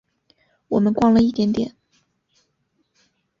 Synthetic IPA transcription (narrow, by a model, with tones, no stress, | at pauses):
wɔ˨˩mə˦nkwɑ˥˧ŋlə˨i˥˩t̪jɛ˧˥nt̪jɛ̰˨˩˦n